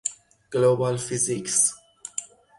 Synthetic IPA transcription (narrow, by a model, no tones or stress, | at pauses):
ɡ̥lobalfiziks